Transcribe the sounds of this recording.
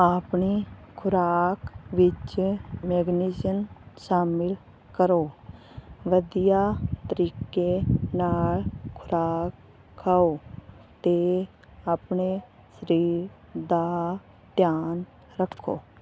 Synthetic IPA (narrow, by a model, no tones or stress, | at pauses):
apɳikʰʊɾaːkʋɪt͡ʃmeːɡnɪd͡ʒənʃaːmɪl | kəɾoː | ʋəd̪ijaːt̪əɾiːkenaːlkʰʊɾaːkʰː | aːoːt̪e | aːpɳe | sɾiːɾ | d̪a | d̪jaːn | ɾəkʰːo̰ː